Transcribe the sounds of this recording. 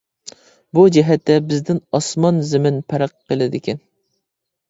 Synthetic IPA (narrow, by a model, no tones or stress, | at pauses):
bud͡ʒɛɦɛt̪ːɛbɪzd̪ɪnɑsmɑnzɪmɪnpʰæɾəqːəlˠɪd̪ɪkʲʰɛn